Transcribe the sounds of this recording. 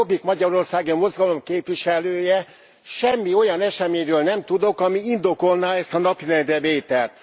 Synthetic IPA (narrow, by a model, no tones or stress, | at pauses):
obikmɒɟɒɾo̞rsaːɡimo̞zɡɒlo̞mkeːpʋiʃɛløːjɛ | ʃɛmːio̞jɒnɛʃɛmeːɲrøːlnɛmt̪ud̪o̞kɒmiind̪o̞ko̞lnaːɛst̪ɒnɒpiɾɛnd̪ɛveːt̪ɛlt̪